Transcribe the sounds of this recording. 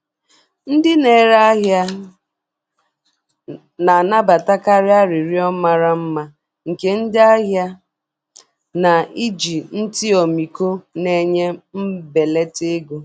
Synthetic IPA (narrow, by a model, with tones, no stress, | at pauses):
n̩˦dɪ˦ne˨ɾa˦a˦ɦja˦ | na˨a˨na˦ba˨ta˦ka˦ɾɪ˦a˦ɾi˨ɾi˦ɔ˦ma˦ɾa˦m̩˦ma˦ | ŋ̩˨ke˨n̩˦dɪ˦a˦ɦja˦ | na˨i˦d͡ʒi˨n̩˦tɪ˦ɔ˨mi˨ko˦ne˦ɲe˦m̩˦be˨le˦te˦ɡo˦